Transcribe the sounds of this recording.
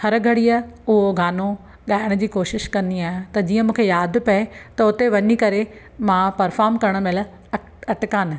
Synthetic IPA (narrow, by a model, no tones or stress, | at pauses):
hɐɾɡʱɐɽijəʊɦoɡʱaːno | ɠaːɪɽ̃d͡ʑiːkoːʃɪʃkɐ̃nd̪iaːɦɪt̪ɐd͡ʑiːə̃mũːkʰejaːd̪ʱpɐet̪ɐʊt̪eʋɐɲikɐɾe | mãpɐɾfaːɾmkɐɾəɽ̃mɪl | ɐʈkaːn̆